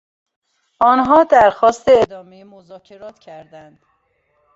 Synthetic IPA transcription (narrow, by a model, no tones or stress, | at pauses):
ʔɒːnɦɒːd̪æɾxɒːst̪e̞ːd̪ɒːmejemozɒːcʰe̞ɾɒːt̪ʰcʰæɾd̪ænd̪̥